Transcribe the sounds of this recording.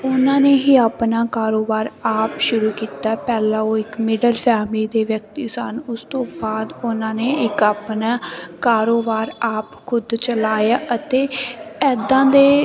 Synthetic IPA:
ʊnãːneːɦiːaːpnaːkaːɾoːbaːɾaːpʃʊɾuːkiːt̪aːpɛːlãːoːɪkmɪɖəlpʰɛːmliːd̪eːʋjək̚t̪iːsənʊst̪õːbaːd̪ʊnãːneːɪkaːpnaːkaːɾoːbaːɾaːpkʰʊd̪t͡ʃəlaːjaːʔət̪eːɛːd̪ãːd̪eː

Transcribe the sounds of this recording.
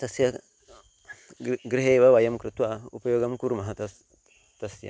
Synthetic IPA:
t̪ɐsja | ɡɾiɦewawajɐmkɾit̪uaṵpɐjoɡɐmkuɾmɐɦat | tɐsja̰

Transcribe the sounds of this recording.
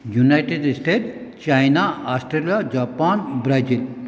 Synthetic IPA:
junajʈeɖsʈeːʈt͡ʃajnaasʈɾelijad͡ʑapanbɾad͡ʒil

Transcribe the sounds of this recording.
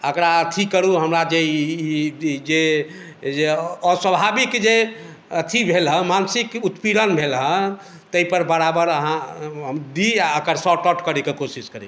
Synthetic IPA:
əkɾaət̪ʰikəɾuɦəmɾad͡ʒe | d͡ʒe | d͡ʒeːswəbʱabikd͡ʒe | ət̪ʰibʱelɦə̃mansikut̪piɽənbʱelɦə̃ | t̪əipəɾbəɾabəɾəɦãɦəmd̪iəkəɾsɔʈɔʈkəɾikekosiskəɾḭ

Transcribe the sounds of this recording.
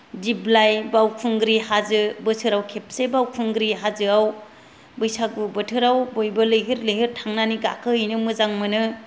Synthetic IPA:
diblajbawkʰuŋɡɾihazɯbɯsʰɯɾawkʰep̚sebawkʰuŋɡɾiɦazɯaw | bɯjsaɡ̚bɯbɯtʰɯɾawbojbɐlɯjɦiɾlɯjɦiɾtʰaŋnaniɡakʰɯhɯjnɯmɯzaŋmɯnɯ

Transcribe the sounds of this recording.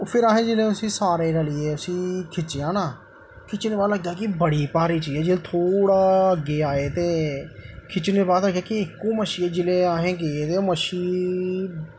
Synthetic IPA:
pʰɪɾaːɦẽːd͡ʒɪlẽːʊsĩːsaːɾeːɾalɪeːʊsĩːkʰɪt͡ʃːãːnaː | kʰɪt͡ʃneːbaːd̪ləɡ̚d̪aːkɪbəɽiːpaːɾiːt͡ʃiːd͡ʒɛːd͡ʒɪlt̪ʰoːɽaːəɡːeːaːeːt̪eː | kʰɪt͡ʃneːbaːd̪ləkʰjaːkɪɪkːõːməʃiːɛːd͡ʒɪleːaːɦẽːɡeːeːt̪eːoməʃiː

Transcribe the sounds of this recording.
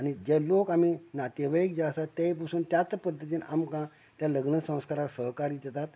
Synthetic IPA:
añid͡ʑelokam̤inat̪eʋəik̚d͡ʑasat̪ːepasuːnt̪jat͡spəd̪ʱːət̪̬iːnamkã | t̪jaləɡnəsə̃w̃skaɾaksəɦkaɾiːd̪jɛt̪at̪

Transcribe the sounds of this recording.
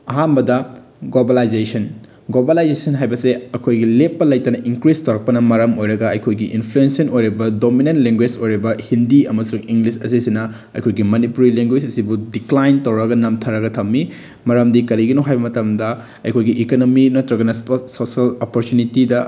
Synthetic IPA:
ɐɦambɐdɐ | ɡlobalajd͡ʒesɐn | ɡlobalajd͡ʒesɐnɦajbɐseɐkʰojɡilepːɐlɐjtɐnɐʔiŋkɾistɐwɾɐk̚pɐnɐmɐɾɐmojɾɐɡɐɐjkʰojɡiʔinpʰluensiɐnojɾibɐdominentleŋɡwed͡ʒojɾibɐhindiɐmɐsuŋiŋɡlisɐsisinɐ | ɐ̰jkʰojɡimɐnipuɾileŋɡwed͡ʒɐsibudiklajntɐwɾɐɡɐnɐmtʰɐɾɐɡɐtʰɐmːi | mɐɾɐmdikɐɾiɡinoɦajbɐmɐtɐmdɐ | ɐjkʰojɡiʔikonominɐtɾɐɡɐnɐspɐsosɐlopoɾtunitidɐ

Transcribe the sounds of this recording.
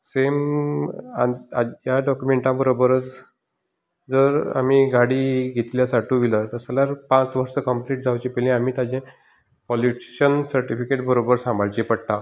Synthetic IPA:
sem | aajaɖɔkjumeɳʈãbəɾobəɾət͡s | d͡zəɾa̰miːɡaɽiːɡʱet̪ljasaʈʰũʋilət̪əsalaɾpãt͡sʋəɾsəkəmpliʈ̚d͡zawt͡ɕipɛlĩamiːt̪ad͡ʑẽ | pɔliʈɕənsəɾʈifikeʈbəɾobəɾsãmbʱaɭt͡ɕepəɽt̪a

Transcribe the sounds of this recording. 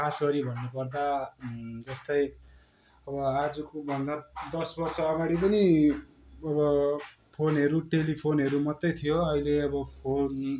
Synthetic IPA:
kʰasɡʌɾibʱʌnːupʌrd̪a | d͡zʌst̪ʌj | ʌbʌad͡zukobʱʌnd̪ad̪ʌsbʌrt͡sʌːɡaɽ̃ipʌni | ʌbʌ | pʰonɦʌɾuʈelipʰonɦʌɾumʌt̪ːʌjt̪ʰijoʌileʌbʌpʰon

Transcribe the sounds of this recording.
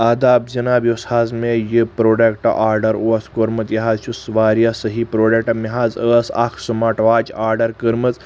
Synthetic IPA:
ad̪aːbzinabjosazmejəpɾoɖekʈɐ̰ʔaːɾɖɐɾuɐskoɾmɐt̪jɐɦaːzʃusʋaːɾjasəɦipɾoɖek̚ʈɐmiɦazəsa̰kʰsɨmaʈʋat͡ʃaːɾɖɐɾkəɾmət͡s

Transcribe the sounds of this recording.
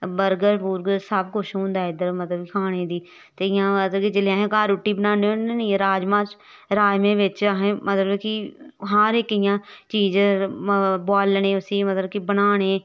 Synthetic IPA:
bəɾɡəɾpuːɾɡsəbkʊʃɦʊ̃ːnd̪aːɪd̪əɾmət̪ləbkʰaːɽ̃eːd̪iː | t̪eːɪjãːət̪ləkid͡ʒəleãːɦẽːkaːɾuʈːiːbənãːneːeniɾaːd͡ʒmãːt͡ʃ | ɾaːd͡ʒmẽːʋɪt͡ʃːɦẽːmət̪ləbkɪɦaːɾɪkɪjãːt͡ʃiːz | bɔːlːnẽːʊsiːmət̪ləbkibənaːɽ̃eː

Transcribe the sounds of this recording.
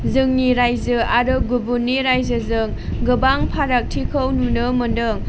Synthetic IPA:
zɯŋniɾajzɯaɾɯɡubunːiɾajzɯzɯŋ | ɡɯbaŋpʰaɾak̚tʰikʰəwnunɯmɯndɯŋ

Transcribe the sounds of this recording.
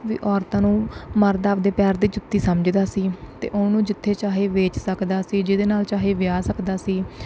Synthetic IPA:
ʋḭːʔɔːɾt̪ãːnũːməɾd̪aːʋd̪eːpɛːɾd̪iːd͡ʒʊt̪ːiːsəmd͡ʒd̪aːsiːt̪ḛːʔʊːnũːd͡ʒɪt̪ʰːeːt͡ʃaːɦeːʋeːt͡ʃsəkd̪aːsiːd͡ʒɪd̪eːnaːlt͡ʃaːɦeːʋɪjaːsəkd̪aːsiː

